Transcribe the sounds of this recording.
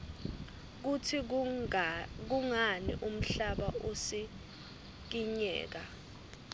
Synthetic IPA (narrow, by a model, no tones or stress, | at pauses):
k̬utʰi | k̬uŋanḭʔum̩ɬaɓaosi | k̬iɲɛ̰ːk̬a